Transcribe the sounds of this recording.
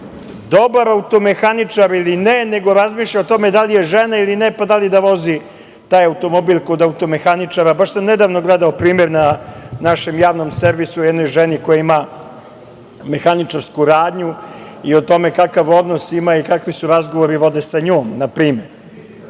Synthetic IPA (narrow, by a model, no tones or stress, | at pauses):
d̪o̞baɾaut̪o̞me̞xanit͡ʂaɾilinene̞ɡo̞ɾazmiːʃʎaot̪o̞me̞d̪alijeʒenailinepad̪alid̪aʋo̞zi | t̪aːjaut̪o̞mo̞bilko̞d̪aut̪o̞me̞xanit͡ʂaɾabaʃsamned̪aʋnoɡled̪aopɾiːmeɾnanaʃe̞mjaːʋno̞mse̞ɾʋisuojɛd̪no̞jʒenikojaima | me̞xanit͡ʂaɾskuɾaːd̪ɲu | io̞t̪o̞me̞kakaʋo̞d̪nosimaikakʋisuɾazɡo̞ʋoɾiʋo̞d̪esaɲoːmnapɾiːmeɾ